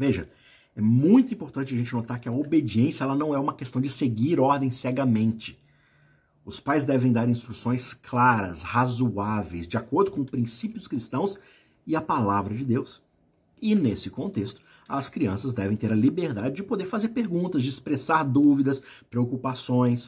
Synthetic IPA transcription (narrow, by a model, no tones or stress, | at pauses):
veʒɐ | ɛmũj̃t̪ʊĩpoɾt̪ɐ̃nt͡ʃɪɐʒẽnt͡ʃɪnot̪aɾkɪɐobed͡ʒiẽsjɐɛlɐnɐ̃w̃ɛũmɐkest̪ɐ̃w̃d͡ʒɪseɡiɾɔɾd̪ẽj̃sɛɡɐmẽnt͡ʃɪ̥ | ʊspajzd̪ɛvẽj̃d̪aɾĩst̪ɾusõj̃sklaɾɐ̰shazuavḛjzd͡ʒɪakoɾd̪ʊkõʊpɾĩsipjʊʊskɾist̪ɐ̃w̃s | ɪɐpalavɾɐd͡ʒɪd̪ews | ɪnesɪkõnt̪est̪ʊ̥ | ɐskɾiɐ̃sɐzd̪ɛvẽj̃t̪eɾɐlibeɾd̪ad͡ʒɪd͡ʒɪpod̪eɾfazeɾpeɾɡũnt̪ɐzd͡ʒɪɪspɾesaɾd̪uvid̪ɐspɾeokupasõj̃s